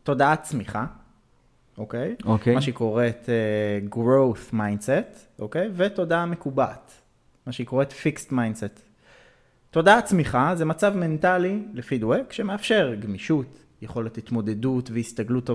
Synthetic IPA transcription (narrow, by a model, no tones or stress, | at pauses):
to̞daat͡smiχa | ʔokejokemaʃeko̞ʁet̪eɡʁo̞wθmajndset | ʔokejveto̞dame̞kubat | maʃeiko̞ʁetfikstmajndset̪ː | o̞daat͡smiχazemat͡savme̞ntalilefidwekʃemeafʃe̞ʁɡmiʃut | jeχo̞letit̪mo̞de̞dutveist̪aɡlut̪ːo